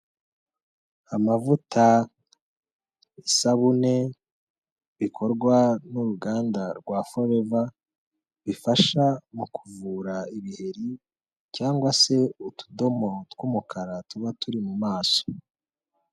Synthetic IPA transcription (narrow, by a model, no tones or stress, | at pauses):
amavutʰa | isaβune̞ | βikʰo̞ɾɡwanuɾuɡaːndaɾɡwaːfo̞ɾeva | βifaʃamukuvuːɾaiβihe̞ɾi | caːŋɡwase̞utʰu̥do̞mo̞twumukʰaɾatuβatuɾimumaːso̥